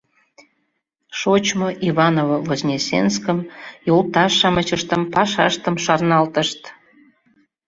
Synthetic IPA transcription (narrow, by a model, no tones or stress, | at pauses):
ʃot͡ɕmoʔiβɑnovovozʲnʲesʲḛnskəmjolˠt̪ɑʃɑmət͡ɕəʃt̪əmpɑʃɑ̰ʃt̪əmʃɑrnɑlt̪əʃt̪